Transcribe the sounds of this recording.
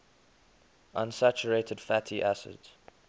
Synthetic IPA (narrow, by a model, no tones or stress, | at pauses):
ʔãnsæt͡ʃəɹeɪtʰədfætʰiʔæsɪ̰dz̥